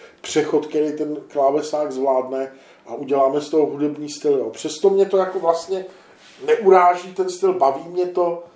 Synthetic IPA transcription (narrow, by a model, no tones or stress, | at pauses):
pr̝̥ɛxo̞t̪kɛɾijt̪ɛnklaːvɛsaːɡzvlaːdnɛ | ʔaʔuɟɛlaːmɛst̪oɦoɦudɛbɲiːst̪ɪlɪjopr̥ɛst̪o̞mɲɛt̪o̞jakovlast̪ɲɛ | nɛʔuɾaːʒiːt̪ɛnst̪ɪlbaviːmɲɛt̪o̞